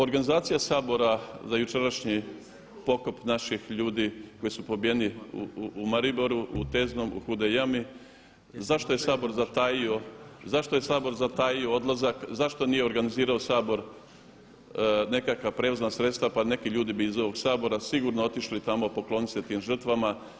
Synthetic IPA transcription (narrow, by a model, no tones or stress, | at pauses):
o̞ɾɡanizaːt̪sijasaːbo̞ɾazajut͡ʃe̞ɾaʃɲi | po̞ko̞pnaʃixʎuːd̪iko̞jisupo̞bije̞niṵumaɾibo̞ɾuut̪ezno̞mṵxud̪ejami | zaʃt̪o̞je̞saːbo̞ɾzat̪ajio̞zaʃt̪o̞je̞saːbo̞ɾzat̪ajio̞od̪lˠazakzaʃt̪o̞nije̞oɾɡaniziːɾaosaːbo̞ɾ | ne̞kakʋapɾe̞uznasɾe̞t̪st̪ʋapane̞kiʎuːd̪ibiːzo̞ʋo̞ɡsaːbo̞ɾasiɡuɾnoo̞t̪iʃlit̪amopo̞klˠo̞nit̪set̪iːmʒr̩t̪ʋama